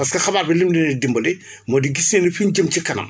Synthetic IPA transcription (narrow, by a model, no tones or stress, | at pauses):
pɐskɐxɐbaːbilimdɛnidimbɐli | mɔːdiɡisnɛːnifinɟəmcikɐnɐ̰m